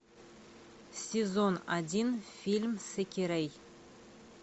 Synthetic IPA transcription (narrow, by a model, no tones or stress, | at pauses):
sʲezonad̪ʲinfʲilʲmsekʲeɾej